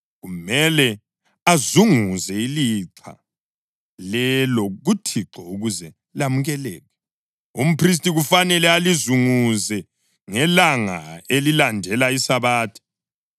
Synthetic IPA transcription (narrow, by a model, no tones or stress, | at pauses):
ɣumɛlɛ | azuŋuzɛiliǁʰa̰ | lɛlɔɣutʰiǁɔuɣuzɛ | lamuɣɛlɛːɣɛ | um̩pris̬tʼiɣufanɛlɛalizuŋuzɛ | ŋɛlaŋa̰elilandʱɛlaisaβaːtʰi̥